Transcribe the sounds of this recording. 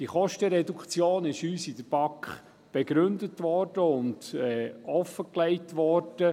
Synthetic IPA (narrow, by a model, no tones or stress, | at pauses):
d̥iχɔʃtəɾɛdukt͡sjoːnɪʃyːsidəb̥ɑkχ | b̥ɛɡɾʏndətʋɔɾd̥əʊndɛɔfːəkleɪtʋɔɾd̥ə